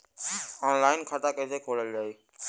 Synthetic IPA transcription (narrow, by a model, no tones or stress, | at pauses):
aːnlaːɪnkʰaːʈaːkə̃seːkʰoːləld͡ʒaːeː